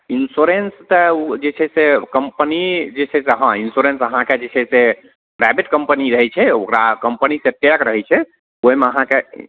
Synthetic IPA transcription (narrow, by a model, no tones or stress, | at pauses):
insuɾenst̪əud͡ʒet͡ʃʰɛsekəmpənid͡ʒet͡ʃʰɛseɦãinsuɾensəɦãked͡ʒet͡ʃʰɛse | pɾabiʈkəmpəniɾəɦɛt͡ʃʰɛokɾakəmpəniseʈekɾəɦɛt͡ʃʰɛ | oimeəɦãke